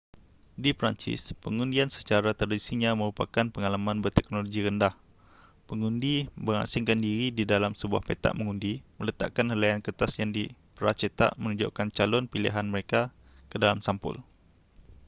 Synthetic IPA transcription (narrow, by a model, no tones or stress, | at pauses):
dipɾant͡ʃɪ̰spəŋundiansə̥t͡ʃaɾat̪ərdisiɲãmə̃ɾupakanpəŋalamãnbərt̪ɛknoloɡiɾəndah | pəŋundibəŋa̰sɪŋkandiɾididalamsəbua̰hpet̪a̰ʔməŋundimələt̪a̰ʔkanhəlajankət̪asjaŋdipəɾa̰t͡ʃət̪a̰ʔmənud͡ʒoʔkant͡ʃalɔnpilḭɦanməɾeka | kədalamsampʊ̰l